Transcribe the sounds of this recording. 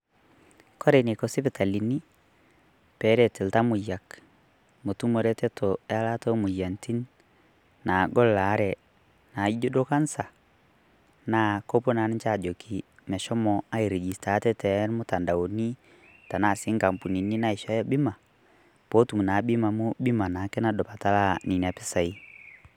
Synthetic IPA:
kɔ˦ɾɛ˨ne˨kɔ˨si˦fɛ˨ta˨li˨ni˦ | pɛ˨˦ɾɛ˨tɛ˨lta˦mo˨ja˨k | mo˨tu˦mo˨ɾɛ˦tɛ˦tʰɔ˨ɛa˦la˦tɔ˦mo˨ja˨nti˦nː | a˨ɡɔ˦lːa˨˦ɾɛ | na˨i˦d͡ʒo˦do˦ka˦nsa˨ | na˨kɔ˦po˦na˨˦nɛ˦t͡ʃa˦˨d͡ʒɔ˨kʰi˨ | mɛ˨ʃɔ˦mɔa˦i˨ɾɛ˨ɡi˨sta˨˦tɛ˦tɛ˨˦ɾmo˦ta˨nda˨o˨ni˦ | ta˨na˨si˦ŋɡa˨mpu˨ni˨ni˦na˦i˨ʃɔ˨˦jɔ˦bi˦ma˨ | po˦tu˨mu˨na˨bi˦ma˨mu˦bi˦ma˨na˨kɛ˦na˨dɔ˨pa˨ta˦la˦ni˨ni˨a˨pɛ˦sa˨i˦

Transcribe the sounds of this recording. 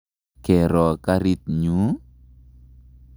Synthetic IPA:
kɛ˨ɾɔ˨ka˦ɾi˦t̪̚ɲu˨˦

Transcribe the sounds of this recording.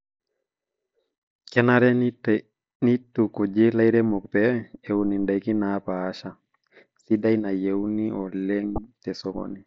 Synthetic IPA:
kɛnaɾɛ˦ | ni˦tu˨ku˨d͡ʒe˦la˦jɾɛ˦mu˨k̚pɛː˨uni˨nda˨jki˦na˦paːʃa˨ | si˦da˦jna˨jewniɔ˨lɛ˦ŋtɛ˨sɔkɔ̰ni˨

